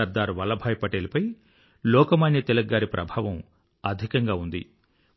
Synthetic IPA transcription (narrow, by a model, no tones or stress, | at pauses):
ɐɾd̪aːɾuʋɐlɐbʱaːjpɐʈeːlɐpɐj | lɔːkɐmaːnjɐt̪ɛlɐɡːaːɾipɾʔɐ̰bʱaːʋɐm | ɐd̪ʱikɐŋɡaːund̪ḭ